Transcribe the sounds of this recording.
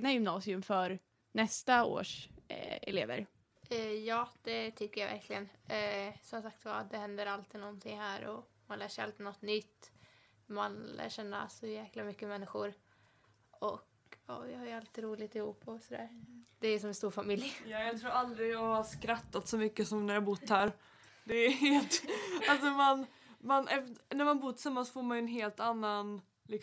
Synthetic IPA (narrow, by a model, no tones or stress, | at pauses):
najʏmnɑːsɪɵmfœɾ | nɛst̪ao̰ːʂ | ɛ̰lḛːvə̰ɾ | ɛjɑːd̪̥ɛt̪ʰʏkːəɾjavæ̰ɾkʰlɪɡən | sɔmsakt̪va̰d̪ɛhɛnd̪əɾalt̪ʰɪnɔnt̪ʰɪŋːhæːɾɔ̰manlæːʂɛɪalt̪ɪnɔt̪ːnʏt̪ː | manlʔæ̰ːʂɛnːa̰sɔjæːklamʏkːəmɛnːɪɧʊɾ | ɔk | ɔːjɑhaɾjalt̪ɪːɾuːlɪt̪ɪhuːpʰːɔsɔd̪æ̰ːɾd̪̥ɛæɾjsɔmɛnst̪uːɾfamɪljjɑːjɑt̪ʰɾuːɾald̪ɾɪjɑːhaʂkɾat̪ːat̪sɔmʏkːəsɔmnæɾjɑabʊt̪ːhæɾ | d̪ɛæɦeːlt̪alsɔman | manɛfnæɾmanbuːɾt̪ʰɪ̥samːansfoːɾmanjɵɛnɦeːlt̪anːan | lɪk